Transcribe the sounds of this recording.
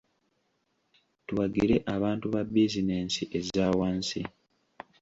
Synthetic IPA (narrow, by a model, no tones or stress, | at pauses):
tuwaɡiɾe̞ʔaβaːntuβabːizineːnsiʔezaːwaːnsi